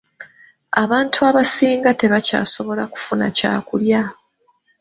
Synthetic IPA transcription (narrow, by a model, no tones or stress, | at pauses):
aβaːntʰuaβasiːŋɡate̞βaca̰ːso̞βo̞laku̥funa̰ca̰ːkulja